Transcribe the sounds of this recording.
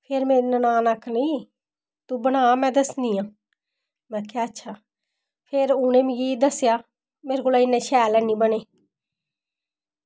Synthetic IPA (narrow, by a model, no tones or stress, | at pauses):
pʰeːɾmeːɾinənaːnakʰniː | t̪uːbəɽ̃aːmɛ̃ːd̪əsnd̪ijãː | mɛ̃ːkjaːətːʃʰaː | pʰeɾʊnẽːmiɡiːd̪əsjaː | meːɾɡolaːɪnẽːʃɛːlɛːnĩːbəɽeː